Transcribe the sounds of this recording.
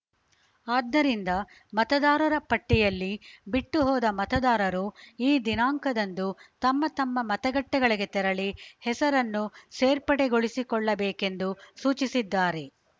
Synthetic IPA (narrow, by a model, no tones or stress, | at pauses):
aːd̪ːɐɾind̪ɐ | mɐt̪ɐd̪aːɾɐɾɐpɐʈːijɐlːibiʈːuɦɔːd̪ɐmɐt̪ɐd̪aːɾɐɾuiːd̪inaːŋkɐd̪ɐnd̪ut̪ɐmːɐt̪ɐmːɐmɐt̪ɐɡɐʈːɛɡɐɭiɡe̞t̪ɛɾɐɭihɛsɐɾɐnːuseːɾpɐɽeɡoɭisikɔɭːɐbeːke̞nd̪usuːt͡ʃisid̪ːaːɾe̞